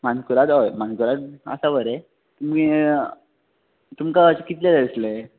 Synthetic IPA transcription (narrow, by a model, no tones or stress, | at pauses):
mankuɾat̪ɔjm̤ankuɾat̪̚ə̰saʋəɾe | t̪umki | t̪umkat͡ɕekit̪led̪əsle